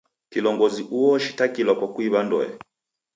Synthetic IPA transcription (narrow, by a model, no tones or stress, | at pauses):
kilɔŋɡɔziʔuɔʃi̥takilwakwakuiβandɔ̰jɛ̰